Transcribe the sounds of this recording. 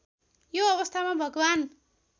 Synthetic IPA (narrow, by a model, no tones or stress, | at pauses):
joʌβʌst̪ʰamabʱʌɡwan